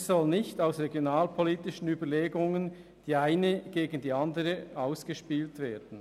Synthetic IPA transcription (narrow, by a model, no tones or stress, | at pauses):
sɔlnɪçtaʊsʁeɡjonaːlpʰɔliːtɪʃən̩yːbəɐleːɡʊŋən | d̥iːaɪnəɡ̥eːɡən̩diːɑndəʁəaʊsɡ̥əʃpiːltveːɐd̥n̩